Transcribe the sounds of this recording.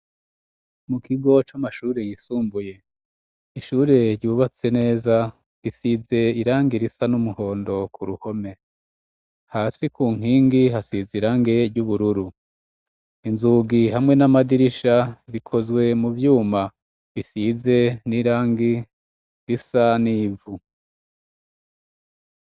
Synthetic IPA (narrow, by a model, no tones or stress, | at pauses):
mukʰiɡo̞t͡ʃamaʃuːɾejisuːmbuje̞ | iʃuːɾe̞ɾɟuːβat͡se̞ne̞ːza | ɾisize̞iɾaːŋɡiɾisanumuho̞ːndo̞kʰuɾuho̞me̞ | haːsikuːŋ̥hiːŋɡiɦasiziɾaːŋɡeɾɟuβuɾuɾu | inzuːɡiɦamŋe̞namadiɾiʃaβikʰo̞zwe̞muvjuːma | βisize̞niːɾaːŋɡi | ɾisaniːvu